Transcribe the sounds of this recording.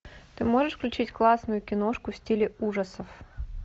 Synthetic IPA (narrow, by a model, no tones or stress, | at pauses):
t̪ɨmoʐɨʂfklʲʉt͡ɕitʲklˠasnʊjʊkʲɪnoʂkʊfsʲtʲilʲɪuʐəsəf